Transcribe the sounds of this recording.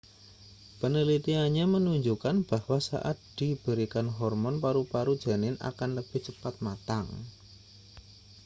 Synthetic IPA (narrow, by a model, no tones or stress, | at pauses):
pənəlit̪iaɲamənuɲd͡ʒukanb̥ahwasa̰ʔa̰t̪̚d̪̥ib̥əɾikanɦɔrmɔnpaɾupaɾud̥d͡ʒ̥a̤nɪna̰kanləb̥ɪht͡ʃəpat̪̚mat̪aŋ